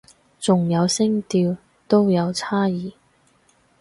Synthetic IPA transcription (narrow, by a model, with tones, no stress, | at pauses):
t͡sʊ˨ŋjɐ˨˧wsɪ˥ŋt̪iː˧w | t̪o˥wjɐ˨˧wt͡sʰaː˥jiː˨